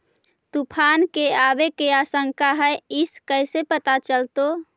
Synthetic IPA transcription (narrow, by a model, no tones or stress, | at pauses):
t̪upʰankeabekeasəŋkaɦəeiskəɪsepət̪at͡ʃəlt̪o